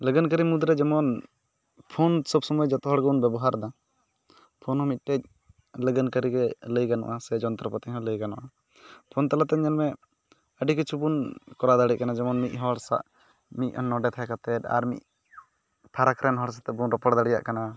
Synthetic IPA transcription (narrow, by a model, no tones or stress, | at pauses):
ləɡənkəɾimud̪ɾɛd͡ʒɛmɔn | pʰɔnsɔbsɔmujɛd͡ʒɔt̪ɔɦɔɽɡəunbɛbɔɦaɾd̪a | pʰɔnɦɔ̃mit̪̚ˀʈɛc̚ | ləɡənkəɾiɡɛləjɡanɔ̰ʔasɛd͡ʒɔnt̪ɾɔpət̪iɦɔ̃ləjɡanɔ̰ʔa | pʰɔnt̪alat̪ɛɲanmɛ | əɖikət͡ʃʰubunkɔɾad̪aɽɛkanad͡ʒɛmɔnmic̪̚ˀɦɔɽsa̰ʔ | mic̚ˀɔnːɔɖɛt̪ʰajkat̪ɛt̪a̰ɾmḭc̚ | pʰaɾakɾɛnɦɔɽs̬at̪ɛbuɾɔpɔɽd̪aɽija̰ʔkana